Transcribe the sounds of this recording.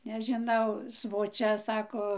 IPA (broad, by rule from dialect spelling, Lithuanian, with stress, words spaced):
nʲɛʒʲɪˈnɐʊ sʋoːˈt͡ʃʲɛ ˈsɑːkoː